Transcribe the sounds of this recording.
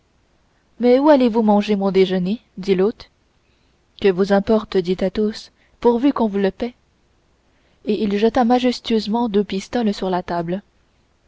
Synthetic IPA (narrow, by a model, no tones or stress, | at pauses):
mɛualevumɑ̃ʒemɔ̃d̪eʒəned̪ilot̪ | kʲəvuzɛ̃pɔʁt̪d̪it̪at̪os | puʁvykɔ̃vuləpɛ | eʔilʒət̪amaʒɛst̪yøzmɑ̃d̪øpist̪ɔlsyʁlat̪abl